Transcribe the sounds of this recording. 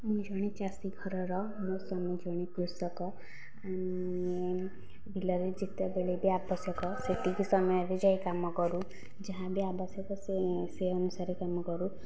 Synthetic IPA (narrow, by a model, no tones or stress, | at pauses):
mid͡ʒʱɔɽ̃it͡ʃasiɡʱɔɾɔɾɔ | mɔsɔmid͡ʒɔɽ̃ikɾusɔkɔ | an | e | bʱilɔɾed͡ʒit̪jɔbeɭebʱiabɔsjɔkɔseʈikisɔmɔjɔɾed͡ʒajkamɔkɔɾu | d͡ʒaɦãbʱiabasjɔkɔseseənusaɾekamɔkɔɾu